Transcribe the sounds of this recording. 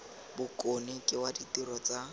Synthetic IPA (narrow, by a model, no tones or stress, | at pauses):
bʊkʼonikʼɪwaditirɔt͡sa